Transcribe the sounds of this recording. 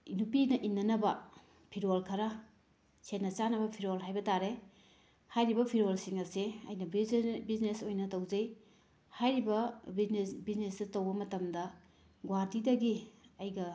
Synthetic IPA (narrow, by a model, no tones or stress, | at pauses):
nupinɐʔinːɐnɐbɐ | pʰiɾolkʰɐɾɐ | senːɐt͡ʃanɐbɐpʰiɾolɦajbɐtaɾe | hajɾibɐpʰiɾolsiŋɐseɐ̰jnɐbiznesojnɐtɐwd͡ʒɐj | hajɾibɐbinsbiznesdɐtɐwbɐmɐtɐmdɐ | ɡwaɾdidɐɡiɐjɡɐ